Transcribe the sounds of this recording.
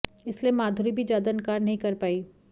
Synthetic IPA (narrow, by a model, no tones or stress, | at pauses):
ɪsliemaːd̪ʱʊɾibʱid͡ʒaːd̪ankaːɾnɐɦĩkɐɾpaːi